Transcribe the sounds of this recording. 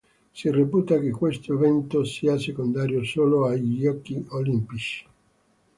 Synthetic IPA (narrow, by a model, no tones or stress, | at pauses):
sirepuːt̪ak̟ekːwest̪oevɛnt̪osiːasekond̪aːɾjosoːloaʎːɔkːiolimpit͡ʃi̥